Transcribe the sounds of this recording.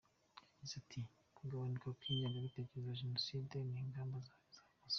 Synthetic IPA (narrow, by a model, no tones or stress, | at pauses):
izatʰi | kuɡaβanikakwiːɲenɡaβite̞ːkeɾezaʒenosiːdeniːŋɡaːmbazaz̥aːmaz